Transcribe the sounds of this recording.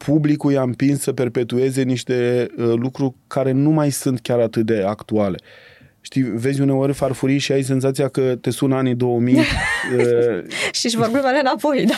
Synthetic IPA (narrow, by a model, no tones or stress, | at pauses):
pʰublikujampinssəpe̞rpe̞t̪ue̞ze̞niʃt̪e̞lukɾurʲkaɾe̞numajsunt̪kʲaɾat̪ɨt̪̚d̪e̞akt̪uale̞ | ʃt̪ijve̞zʲune̞o̞rʲfarfuɾiʃiajs̬e̞nzat̪sijakət̪e̞sunanid̪o̞omij | ʃiʃvorbimalenapo̞jd̪